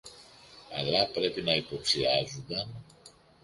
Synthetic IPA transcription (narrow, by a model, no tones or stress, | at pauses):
ɐ̰lɐpɾe̞pinɐipo̞ksiɐzund̪ɐn